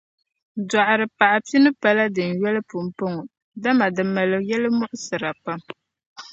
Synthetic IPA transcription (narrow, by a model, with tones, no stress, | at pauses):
da˨ʔɾɨ˨pa˨ʔa˨pi˦nɨ˦pa˦la˦dɨ˨n̩˨jɛ˦lɨ˦pʊ˨m̩˨pɨ˦ŋɔ˨ | da˦ma˨dɨ˨ma˨lɨ˨jɛ˦lɨ˦mʊ˦ʔʊ˦sɨ˨ɾa˨pa˦m